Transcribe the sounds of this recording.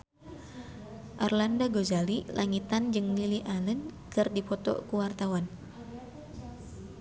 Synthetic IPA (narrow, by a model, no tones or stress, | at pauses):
ʔarlandaɡozalilʔaŋit̪and͡ʒɨŋmiliʔalənkɨrdipɔt̪ɔ̰kuwart̪awan